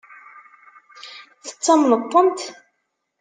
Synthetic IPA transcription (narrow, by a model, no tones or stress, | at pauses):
θə̥t͡sːɑmnət̪ˤːənt̪